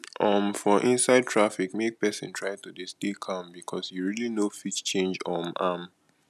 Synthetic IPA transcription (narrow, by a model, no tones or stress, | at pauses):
ʔɔ̃mfɔʔĩnsaɪd̚tʰɹafikmek̚pɛsɪ̃ntʰɹaɪtudisdekʰãmbikʰɔsjuɹilinofit͡ʃt͡ʃẽnd͡ʒɔ̃mam